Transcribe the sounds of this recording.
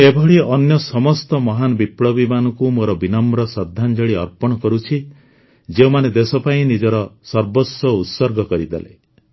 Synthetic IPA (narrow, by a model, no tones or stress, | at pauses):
ebʱɔɭiɔnjɔsɔmɔst̪ɔmɔɦanɔbipɽɔbimanɔkumoɾɔbinɔmɾɔsɔd̪ʱːand͡ʒɔɭiɔɾpɔɽ̃ɔkɔɾut͡ʃʰi | d͡ʒeumaned̪esɔpaĩnid͡ʒɔɾɔsɔɾbɔsɔut̪sɔɾɡʱɔkɔɾid̪a̰lḛ